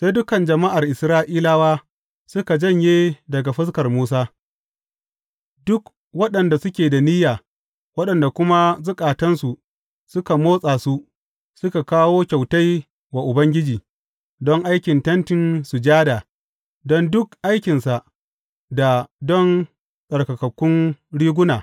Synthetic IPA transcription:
sa˦jdʊ˦kɐ˨nd͡ʒɐ˨ma˦ʔa˨rʔɪ˨sɾaː˦ʔiː˦laː˦waː˦ | sʊ˦ka˨d͡ʒɐ˦˨ɲjeː˦dɐ˨ɡa˨ɸɐ˦skɐ˨rmuː˦s̬aː˦ | dʊ˦k | wɐ˦ɗɐ˨nda˨sʊ˦kʲeː˨da˨ni˦jaː˨ | wɐ˦ɗɐ˨nda˨kʷʊ˦ma˦zʊ˦kʼaː˨tɐ˦nsu˨ʔ | sʊ˦ka˨moː˦sʼaː˨su˦ | sʊ˦ka˨kaː˦woː˦kʲa˨wta˦j | wa˨ʔʊ˨bɐ˦ŋɡʲɪ˦d͡ʒiː˨ | dɔ˦ŋʔa˦jkʲɪ˨ntɐ˦ntɪ˨nsu˨d͡ʒaː˦daː˨ | dɔ˦ndʊ˦kʔa˦jkʲɪ˨nsa˨ʔ | da˨dɔ˦n | sʼɐ˨rkɐ˨kɐ˨kʷːʊ˦nɽiː˦ɡʷʊ˦naː˨

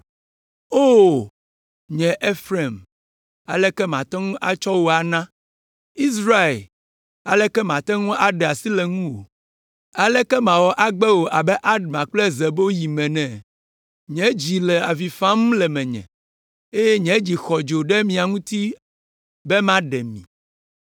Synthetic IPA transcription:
o˦ | ɲɛ̃˨ʔe˦fɾe˨m | a̰˨lɛ˦kɛ˦mã˨t̪ɛ˦ŋũ˦ʔa˨t͡ʃɔ˦wo˦a˨nã˦ | i˦sɾa˦e˨l | a̰˨lɛ˦kɛ˦mã˨t̪ɛ˦ŋũ˦ʔa˨ɖɛ˨a˨si˦lɛ˨ŋũ˦wo̰˨ | a˨lɛ˦kɛ˦mã˨wɔ˨ʔa˦ɡ͡bɛ˦wo˨ʔa˨bɛ˦ʔa˦ɖmã˨k͡plzɛ˨bo˦ji˨mɛ̃˨nɛ̃˨ | ɲɛ̃˦d͡ʑi˨lɛ˨a˨vi˨fã˦m˦lɛ˨mɛ̃˨ɲɛ̰̃˨ | e˦jɛ˦ɲɛ̃˨˦d͡ʑi˨xɔ˨d͡ʒo˨ɖɛ˦mĩ˨a˨ŋũ˦t̪i˦ | bɛ˦mã˦ɖɛ˨mḭ̃˨

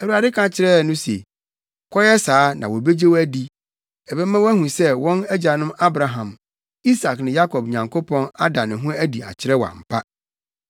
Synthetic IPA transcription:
æ˨wu˨a˨dɪ˦kʰã˨t͡ɕʰɪ˨ɾɛ˦˨nʊ̃˦sḛ˨ | kʰɔ˦jɛ˦saː˨˦nã˨wɔ˨be˦d͡ʑe˦wæ˦di˨ | ɛ˨bɛ˦mã˦wæ˦ɦũ˨sɛ˦wɔ̃˦næ˦d͡ʑa˨nʊ̃˦ma˦bɾa˨ɦã˨m | i˦sa˨knɪ̃˨ja˦kʰɔ˨b̚ɲã˨ŋkʰo˦pʰɔ̃˦na˦da˨nɪ̃˨ɦũ˦æ˦di˨a̰˨t͡ɕʰɪ˦ɾɛ˦wɔ˨a̰˨m̩˨pʰa˦

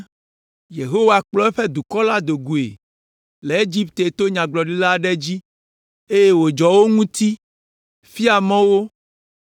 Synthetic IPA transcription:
je˨ɦo˦wa˨k͡plɔ˦ɛ˦ɸɛ˦d̪u˨kɔ˦la˦d̪o˨ɡu˨ḛ˨ | le˨e˦d͡ʑi˦pt̪e˨t̪o˦ɲã˨ɡ͡blɔ˨ɖi˦la˦ɖɛ˦d͡ʑi˦ | e˦je˦wo˨d͡ʒɔ˨wo˦ŋũ˦t̪i˦ | fi˦a˨mɔ̃˦wo˦

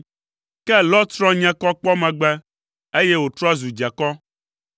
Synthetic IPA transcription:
kɛ˦lɔ˦t̪ɾɔ̃˦ɲɛ̃˦kɔ˦k͡pɔ˦mɛ̃˨ɡ͡bɛ˦ | e˦je˦wo˨t̪ɾɔ˦a˦zu˨d͡ʒa˨kɔ˦

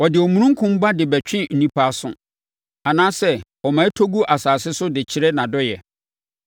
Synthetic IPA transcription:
wɔ˨dɪ˨ɔ˨mũ˨ɾũ˦ŋ˦kʰʊ̃˦m˦ba˦dɪ˨bɛ˨t͡ɕᶣɪ̃˦n̩˨nĩ˦pʰa˦a˦sʊ̰̃˨ | a˨nãː˦sɛ˦wɔ˨mã˨˦e˦tʰo˦ɡu˦ʔa˨saː˨sɪ˦sʊ˦dɪ˨t͡ɕʰɪ˦ɾɛ˦nã˨dɔ˦jɛ˨

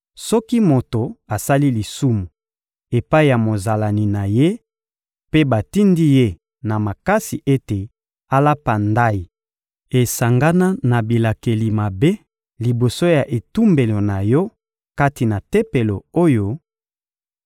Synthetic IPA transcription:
sɔ˦ki˦mo˨to˨a˨sa˦li˦li˨su˦mu˨ | e˨pa˦i˦˨ja˨mo˨za˨la˨ni˨na˨je˦ | pe˦ba˨ti˦ndi˦je˦ | na˨ma˨ka˦si˨ʔe˦te˨ | a˦la˦pa˨nda˦i˨ | e˨sa˨ŋɡa˦na˦na˨bi˨la˨ke˨li˨ma˨be˦ | li˨bo˨so˦ja˨ʔe˨tu˦mbe˨lo˨na˨jɔ˦ | ka˦ti˨na˨te˦pe˨lo˨o˦jo˨

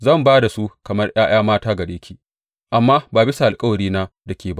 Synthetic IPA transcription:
zɐ˦˨mbaː˦da˨su˦kɐ˨mɐ˦rj̰aː˦j̰aː˦maː˦taː˦ɡɐ˨ɽeː˦kʲʰiː˦ | ʔa˨mːaː˦baː˨bɪ˦sa˨ʔa˨lkʼɐ˦wɐ˨ɽiː˦naː˦da˨kʲeː˨ba˦ʔ

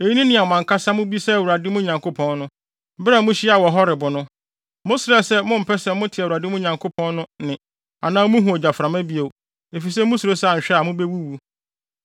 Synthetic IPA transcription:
e˨ji˦nĩ˦nɪ̃˨a˨mã˨ŋkʰa˦sa˦mʊ̃˦bi˦sɛ˦˨wu˨ɾa˨dɪ˦mʊ̃˦ɲã˨ŋkʰo˦pʰɔ̃˦nnʊ̃˦ | bɾɛ˦mʊ̃˦ɕi˦a˨wɔ˨ɦɔ˦ɾɪ˨bʊ˨nʊ̃˦ | mʊ̃˦sɪ˨ɾɛ˦sɛ˦mʊ̃˦m̩˨pʰɛ˦sɛ˦mʊ̃˦tʰɪ˨wu˨ɾa˨dɪ˦mʊ̃˦˨ɲã˨ŋkʰo˦pʰɔ̃˦nnʊ̃˦nɪ̃˨ | a̰˨nãː˦mũ˦ɦũ˨o˨d͡ʑa˨fɾa˨mã˦bi˦o˨ | e˨fi˨s̬ɛ˦mʊ̃˦su˨ɾo˦sɛ˦a˨ɕᶣɛ˦a˨mʊ̃˦be˦wu˦wu˦

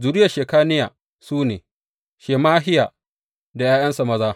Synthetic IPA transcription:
zʊ˨ɾɪ˦jɐ˨ʃeː˨kaː˦nɪ˦jaː˨ | suː˦neː˨ | ʃeː˨maː˦ɦɪ˦jaː˨ | da˨jaː˦jɐ˦nsa˨mɐ˦zaː˦

